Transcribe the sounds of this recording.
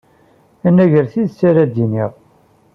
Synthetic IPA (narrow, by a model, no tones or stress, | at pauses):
ænːæʝəɾθiðt͡sːæɾæd̪iniʁ